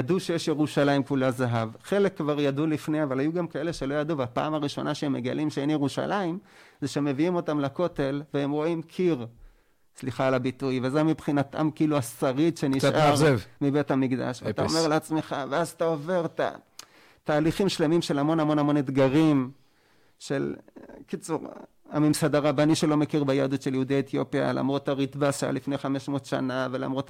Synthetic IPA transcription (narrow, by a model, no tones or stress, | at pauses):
jaduʃejeʃjeʁuʃalaimkulazaɦavχe̞lekːvaʁjadulifnejavalajuɡamkae̞leʃe̞lo̞jaduveapa̰ːmaʁiʃo̞̰nʔaʃeemːe̞ɡalʔimʃeenjeʁuʃa̰laimzeʃeemeviimo̞tamlako̞te̞lveemʁo̞imkʰiʁ | sliχaːlabitujvezeamipχinata̰mkiiluasaʁitʃe̞niʃaʁvmibe̞t̪hamiɡd̪a̰ʃveat̪aomeʁleat͡smeχaveazat̪ao̞ve̞ʁt̪a̰ | t̪aːliχimʃle̞mimʃe̞lamo̞namo̞namo̞ned̪ɡaʁim | ʃe̞lkit͡suʁ | amimsad̪aʁabaniʃelo̞mekiʁbajad̪utʃeljeud̪iaet̪jo̞pia̰la̰mʁo̞t̪aʁit̪baʃa̰lifne̞jχame̞ʃmo̞tʃa̰navela̰mʁo̞t̪